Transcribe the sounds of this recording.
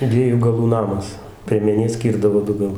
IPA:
ˈdʲʋʲiɛjuː ɡɐˈlˠuː ˈnɑːmɐs pʲrʲiɛmʲɛˈnʲeː ˈsʲkʲiːrdɐʋoː ˈdʊ ɡɐˈlˠʊ

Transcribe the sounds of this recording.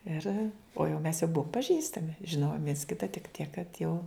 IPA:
ˈɪr oː jɛʊ mʲɛs jɛʊ ˈbuɔm pɐˈʒʲiːstɐmʲɪ ʒʲɪˈnoːjoːm ʋʲiɛns ˈkʲɪtɐ tʲɪk ˈtʲiɛk kɐt jɛʊ

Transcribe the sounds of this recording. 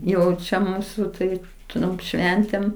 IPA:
ˈjɛʊ t͡ʃʲɛ ˈmuːsʊ ˈtɐɪp ˈtʊrʲɪm ˈʃʲʋʲɛnʲtʲeːm

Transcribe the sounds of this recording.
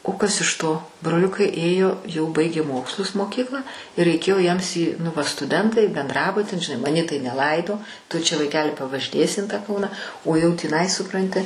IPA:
oː ˈkɐs ɪʃ ˈtoː broːˈlʲʊkɐɪ ˈeːjoː jɛʊ ˈbɐɪɡʲeː ˈmoːkslˠʊs moːˈkʲiːklˠɑː ɪ rʲɛɪˈkʲeːjoː jiɛms iː nʊ ˈʋɐ stʊˈdʲɛntɐɪ bʲɛnˈdrɑːbʊtʲɪn ʒʲɪˈnɐɪ mɐˈnʲiː tɐɪ nʲɛˈlˠɐɪdoː tʊ t͡ʃʲɛ ʋɐɪˈkʲæːlʲɪ pɐʋɐʒʲɪˈnʲeːsʲɪ ɪn tɑː ˈkɐʊnɐ oː jɛʊ tʲiːˈnɐɪ sʊˈprɐnʲtʲɪ

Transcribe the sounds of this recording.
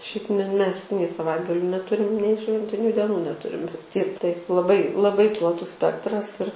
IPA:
ˈʃʲɛɪp mʲɛ mʲɛs nʲɛɪ sɐˈʋɐɪdɡɐlʲʊ nʲɛˈtʊrʲɪm nʲɛɪ ˈʃʲʋʲɛnʲtʲɪnʲʊ dʲɛˈnuː nʲɛˈtʊrʲɪm ˈmʲɛs tʲiɛk tɐɪp lˠɐˈbɐɪ lˠɐˈbɐɪ plˠɐˈtʊs ˈsʲpʲæːktrɐs ɪr

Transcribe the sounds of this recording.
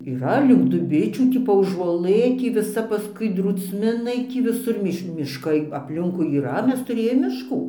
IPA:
iːˈrɐ lʲɪŋk dʊˈbʲɪt͡ʃʲuː ˈtʲiː pɐuːʒuɔˈlˠɘ ˈtʲiː ʋʲɪˈsɐ pɐˈskʊɪ druːt͡sʲˈmʲɪnɐɪ ˈtʲiː ʋʲɪˈsʊr ˈmʲɪʃ mʲɪʃˈkɐɪ ɐpʲˈlʲɪŋkʊɪ iːˈrɐ ˈmʲɛs tʊˈrʲeːjoːm mʲɪʃˈkuː

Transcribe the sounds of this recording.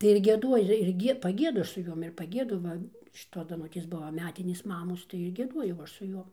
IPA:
tɐɪ ɪr ɡʲiɛˈduɔjɪ ɪr ɪr ˈɡʲiɛ pɐˈɡʲiɛdʊ ˈɐʃ sʊ ˈjoːm ɪr pɐˈɡʲiɛdʊ ˈʋɐ ʃʲɪˈtoːs dɐˈnʊtʲeːs ˈbʊʋɐ ˈmʲæːtʲɪnʲeːs ˈmɑːmoːs tɐɪ ɪr ɡʲiɛˈduɔjɛʊ ˈɐʃ sʊ ˈjoːm

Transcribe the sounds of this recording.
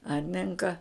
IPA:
ˈɐrʲnʲɪŋkɐ

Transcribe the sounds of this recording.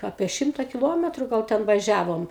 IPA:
ˈɑːpʲiɛ ˈʃʲɪmtɐ kʲɪˈlˠoːmʲɛtrʊ ɡɐlˠ ˈtʲɛn ʋɐˈʒʲæːʋoːm

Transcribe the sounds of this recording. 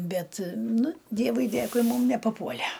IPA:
ˈbʲɛt ˈnʊ ˈdʲiɛʋʊɪ ˈdʲeːkʊɪ ˈmuːm nʲɛpɐˈpuɔlʲɛ

